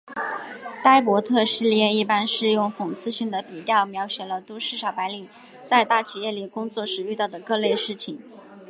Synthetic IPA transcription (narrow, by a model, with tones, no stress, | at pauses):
t̪a˥ɪpwɔ˧˥t̪ʰɤ˥˧ʂɻ̩˥˧ljɛ˥˧i˥˩pa˥nʂɻ̩˥˧jʊ˥˩ŋfʊ˨˩ŋt͡sʰɹ̩˥˧ɕi˥˩ŋd̪ə˩pi˨˩ljɑ˥˩ʊmjɑ˧˥ʊɕjɛ˨˩lə˦t̪u˥ʂɻ̩˥˩ʂɑ˨˩ʊpa˧˥ɪli˨˩˦ | t͡sa˥˧ɪt̪a˥˩t͡ɕʰi˨˩jɛ˥˩li˨˩kʊ˥ŋt͡swɔ˥˩ʂɻ̩˨˩y˥˧ɑ˥˩ʊd̪ə˩kɤ˥˧le˥˧ɪʂɻ̩˥˩t͡ɕʰi˨˩ŋ